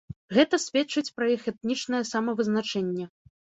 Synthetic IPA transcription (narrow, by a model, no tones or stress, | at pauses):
ɣɛt̪ɐsʲvʲɛt͡ʂɨt͡sʲpɾɐjixɛt̪̚nʲit͡ʂnɐjɛsamɐvɨznat͡ʂɛnʲːɛ